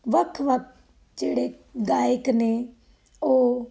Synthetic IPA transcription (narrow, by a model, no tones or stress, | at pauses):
ʋəkʰʋək̚ | d͡ʒeːɽeː | ɡaːjɪkneː | oː